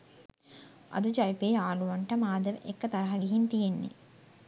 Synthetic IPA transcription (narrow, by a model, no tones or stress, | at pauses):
ʔɐ̰d̪ud͡ʒɐjipeːaːluʋɐɳʈɐmaːd̪ɐʋʔḛkːɐt̪ɐɾɐɦɐɡiɦint̪ijenːḛ